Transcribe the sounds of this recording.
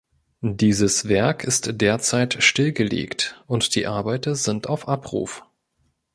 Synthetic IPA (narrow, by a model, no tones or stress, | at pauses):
diːzəsvɛɐkʰɪstd̥eːɐt͡saɪtʃtɪlɡəlḛːktʔʊntd̥iːʔaɐbaɪtɐzɪntaʊfʔapʁ̥ṵːf